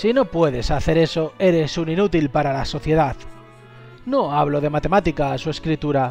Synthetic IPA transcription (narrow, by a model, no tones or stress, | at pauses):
sino̞pwe̞ðe̞saθe̞ɾe̞so̞e̞ɾe̞suninut̪ilpaɾalaso̞θje̞ðað | no̞aβ̞loð̞e̞mat̪e̞mat̪ikaːsue̞skɾit̪uɾa